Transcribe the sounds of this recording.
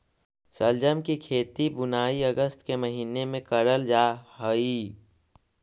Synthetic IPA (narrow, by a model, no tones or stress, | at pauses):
səld͡ʒəmkikʰeːt̪ibʊnaːiəɡəst̪ʰkeməɦiːnemẽkəɽəld͡ʒaːɦəiː